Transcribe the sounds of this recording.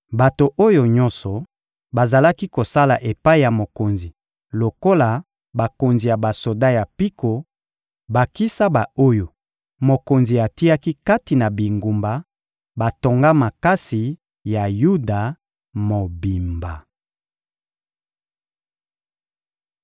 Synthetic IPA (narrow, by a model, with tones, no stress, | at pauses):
ba˨to˨ʔo˦jo˨ɲɔ̃˦nsɔ˨ | ba˨za˨la˦ki˦ko˨sa˦la˨ʔe˨pa˦i˦˨ja˨mo˨ko˨nzi˨ | lo˨ko˦la˨ | ba˨ko˨nzi˨ja˨ba˨so˨da˦ja˨pi˦ko˨ | ba˨ki˦sa˦ba˨o˦jo˨ | mo˨ko˨nzi˨a˨ti˦a˦ki˦ka˦ti˨na˨bi˨ŋɡu˨mba˨ | ba˨to˨ŋɡa˦ma˨ka˦si˨ | ja˨ju˦da˨ | mo˨bi˨mba˨